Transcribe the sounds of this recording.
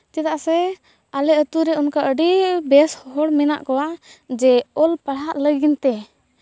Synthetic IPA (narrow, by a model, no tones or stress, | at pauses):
t͡ʃɛt̪aʔsɛ | alɛət̪uɾɛunkaʔəɖibɛshhɔɽmina̰ʔkɔwad͡ʒɛɔlpaɽaʔləɡint̪ɛ